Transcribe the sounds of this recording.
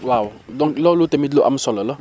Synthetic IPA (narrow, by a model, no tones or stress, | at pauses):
wawdɔ̃ŋklɔlotɛmidloʔa̰m̩sɔlɔlɔ